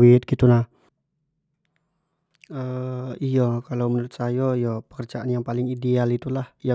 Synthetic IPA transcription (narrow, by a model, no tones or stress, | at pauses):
it̪̚ɡ̥it̪unah | əijɔkalawmənuɾʊt̪̚sajɔijɔpə̥kərd͡ʒaʔanjaŋpalɪŋidealit̪ulahja